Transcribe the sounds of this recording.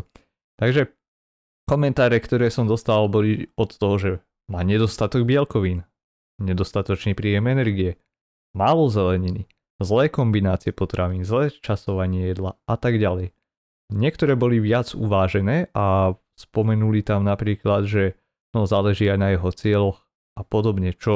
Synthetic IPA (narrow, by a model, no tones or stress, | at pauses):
t̪aɡʒɛ | kɔmɛnt̪aːɾɛkt̪ɔɾɛːsɔmd̪ɔst̪aalbɔliɔt̪ːɔɦɔʒɛ | maːɲɛd̪ɔst̪at̪ɔɡ̚bɪɛlkɔʋiːn | ɲɛd̪ɔst̪at̪ɔt͡ʃniːpɾiːjɛmɛnɛɾɡiɛ | maːlɔzɛlɛɲini | zlɛːkɔmbinaːt͡siɪɛpɔt̪ɾaʋiːnzlɛːt͡ʃasɔʋaɲɪɛjɛd̪laʔat̪aɡɟalɛj | ɲɪɛkt̪ɔɾɛːbɔliʋɪad͡zṵʋaːʒɛnɛːʔa | spɔmɛnulit̪amnapɾiːklad̪ʒɛ | nɔzaːlɛʒiːajnajɛɦɔt͡sɪɛlɔx | apɔd̪ɔbɲɛt͡ʃɔ